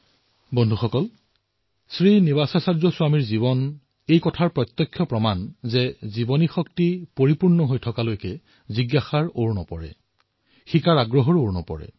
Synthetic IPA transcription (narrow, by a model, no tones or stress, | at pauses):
bɔndʱuxɔkɔl | sɹinibasasaɹzɔsʊamiɹziβɔn | ejkɔtʰaɹpɹɔt̪ːɔkʰːjɔpɹɔmanzɛzibɔnixɔktipoɹipuɹnɔɦojtʰɔkalojkɛ | ziɡaxaɹoɹnɔ̰pɔɹɛ̰ | xikaɹaɡɹɔɦɔɹoɹnɔ̰pɔ̰ɹɛ̰